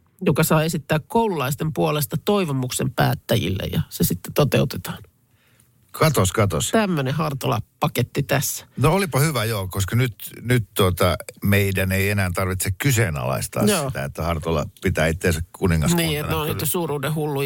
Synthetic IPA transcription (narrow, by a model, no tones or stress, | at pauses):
jokɑsɑːesit̪ːæːkkoululɑist̪empuolest̪ɑt̪oiʋomuksempæ̰ːt̪ːæjḭlːḛjɑ̰sesit̪ːe̥t̪ot̪eut̪et̪ɑ̥ːn | kɑt̪oskɑt̪ost̪æmːøneɦɑrt̪olɑ̰pɑket̪ːit̪æsːæ̥noolipɑhyʋæjoːkoskɑnyt̪nyt̪t̪uot̪ɑmeidæneienæːnt̪ɑrʋit̪sekkyseːnɑ̰lɑ̰ist̪ɑ̰jsoːiːt̪æet̪ːæhɑrt̪olɑ̰pit̪æːit̪ːensækkuniŋːɑsniːet̪neoniːt̪osuːruːdehulːu